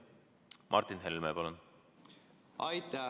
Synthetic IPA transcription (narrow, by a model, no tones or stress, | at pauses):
mʔɑ̰rt̪inɦelmepɑlon | ɑjt̪a